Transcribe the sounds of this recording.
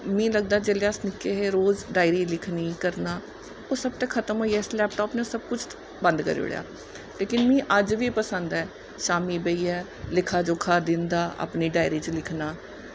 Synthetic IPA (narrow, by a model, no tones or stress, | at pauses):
mĩːləɡ̚d̪aːd͡ʒeːleasnɪkːeːɦeːɾoːzɖaːɪɾiːlɪkʰniːkəɾnaː | oːsəb̚t̪ẽːkʰət̪əmɦoːiːɛːɪslɛːp̚ʈɔːpnẽsəb̚kʊt͡ʃʰ | bə̃nd̪kə̰ɾḛʊ̰ɽja̰ː | leːkɪnmĩːʔəd͡ʒʋiːpəsə̃nd̪ɛː | ʃaːmiːbəiːɛː | lɪkʰaːd͡ʒoːkʰaːd̪ɪnd̪aːʔə̰pniːɖaːɪɾiːt͡ʃəlɪkʰnaː